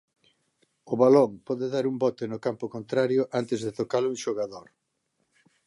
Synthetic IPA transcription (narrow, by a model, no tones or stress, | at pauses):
ʊβalɔŋpɔðeðaɾumbɔt̪ɪnʊkampʊkont̪ɾaɾjʊʔant̪ɪzðet̪okalʊuŋʃoɣaðoɾ